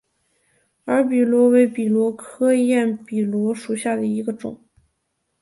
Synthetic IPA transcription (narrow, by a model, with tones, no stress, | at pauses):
ə˞˧˥pi˨˩lwɔ˧˥we˧˥ɪpi˨˩lwɔ˧˥kʰɤ˥jɛ˥˩npi˨˩lwɔ˧˥ʂu˨˩ɕja˥˩d̪ə˩i˧˥ɡə˧ʈ͡ʂʊ̰˨˩˦ŋ